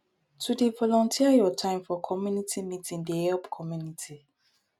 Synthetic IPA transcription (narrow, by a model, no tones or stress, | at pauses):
tʰudevɔlɔ̃ntʰiajɔtʰãɪ̃mfɔkʰɔmjũnitʰimĩtʰĩŋdehɛlpkʰɔmjunitʰi